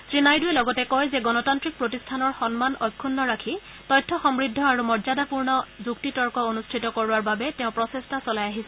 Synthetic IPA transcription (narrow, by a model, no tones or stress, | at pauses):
sɹinajdujɛlɔɡɔtɛkɔjzɛɡɔnɔtantɹik̚pɹotistʰanɔɹxɔnmanʔɔjkʰːunːɔɹakʰi | tɔjtʰːɔxɔmɹidʱːɔaɹumɔɹzadapuɹnɔzuktitɔɹkɔonustʰitɔkɔɹuaɹbabɛtɛʊ̃pɹɔsestasɔlajaɦisɛ